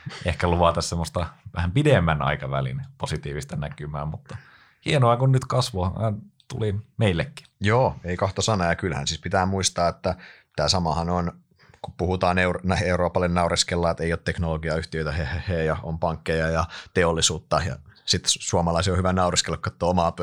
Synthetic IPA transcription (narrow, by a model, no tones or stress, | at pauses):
ehkæluʋɑt̪ɑssemːost̪ɑʋæhæmpidemːænɑ̰ikɑʋæ̰lḭnposit̪iːʋist̪ɑnækymæːmut̪ːɑ | hienoɑkunnyt̪kɑsʋohɑnɑˑnt̪ṵlimeilːekːi̥joːeikɑht̪osɑnɑjɑkylhæ̰nsispit̪æːmmuist̪ɑːet̪ːæ | t̪æːsɑmɑhɑnon | kuppuhut̪ɑːneurnæeuɾoːpɑlːenːɑuriskelːɑet̪eijoːt̪t̪eknoloɡiɑyht̪iøit̪æhehejɑompɑŋkːejɑjɑt̪eolːisuːt̪ːɑjɑ̰sit̪suomɑlɑisiohyʋænɑuriskelkːɑet̪ːoomɑ